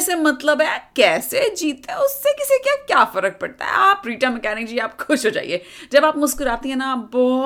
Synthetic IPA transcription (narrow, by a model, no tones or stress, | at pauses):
semɐt̪ləbɦɛːkɛːsed͡ʒiːt̪ẽʊsːekɪsekjaːkjaːfɐɾək̚pɐɽt̪a̰ɦɛ̰aːpɾiːʈamɛkɛːnɪk̚d͡ʒieaːpkʰʊʃɦoːd͡ʒa̰ːḭeːd͡ʒɐbaːpmʊzkʊɾaːt̪ĩɦɛ̃ːnaːpbɔː